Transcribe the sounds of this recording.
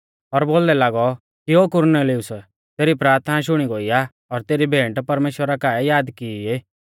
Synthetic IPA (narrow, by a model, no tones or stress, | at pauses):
ɔɾboːld̪ɛlaːɡɔ | kioːkʊɾneliʊs | t̪eːɾipɾaːɾt̪ʰənaʃ̬ʊɽ̃iɡoija | ɔːɾt̪eːɾibʱẽːɳʈpɐɾmeːʃwəɾakaːɛjaːd̪kiie